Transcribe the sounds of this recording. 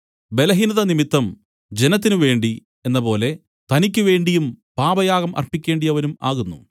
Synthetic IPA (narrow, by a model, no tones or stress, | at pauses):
be̞lɐɦinɐðɐnimit̪ːɐm | d͡ʑe̞nɐt̪̬ːinɨʋe̞ːɳɖi | e̞nːɐpo̞ːle̞ | t̪ɐnikʲːɨʋe̞ːɳɖijumpaːbɐjaːɣɐmɐ̰rpikʲːe̞ːɳɖijɐʋɐnuma̰ːɣunːṵ